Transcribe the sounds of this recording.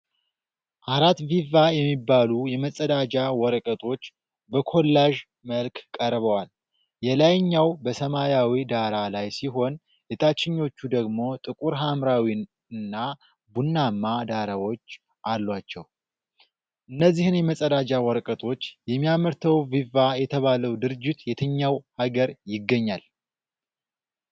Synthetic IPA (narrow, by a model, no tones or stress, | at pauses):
ʔaɾat̪vivajɛmːibːalujɛməsʼəd̪ad͡ʒawɔɾkʼət̪ʼʰo̞t͡ʃː | bəkʰo̞lːaʒ | məlkkʼəɾβəwal | jɛlajɲːawbəsəmajawid̪aɾalajsiɦo̞n | ɛt̪ʰat͡ʃːɪɲːo̞t͡ʃːud̪əɡmo̞t̪ʼɨkʼuɾɦamɾawi | ɨnːa | bunːamːad̪aɾawo̞t͡ʃː | ʔalːwat͡ʃːɛw | ʔɨnːəzːihɨnjɛməsʼəd̪ad͡ʒawɔɾkʼət̪ʼʰo̞t͡ʃːjɛmːijaməɾt̪ʰəwvivajɛt̪ʰəβaləwd̪ɨɾɨd͡ʒːɪt̪jɛt̪ʰəɲːawhaɡəɾjɪɡːəɲːal